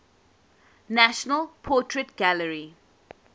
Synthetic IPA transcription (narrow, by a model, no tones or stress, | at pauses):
næʃənəlpʰɔːʈʰɹeʈɡæləɹi